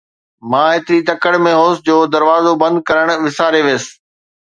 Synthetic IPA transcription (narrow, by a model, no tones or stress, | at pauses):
mãːɦɪt̪ɪɾit̪ɐkəɽmẽɦoːsd͡ʑoːd̪ɐɾʋaːzobɐ̃nd̪̚kɐɾəɽ̃ʋɪsaːɾeʋeːs̆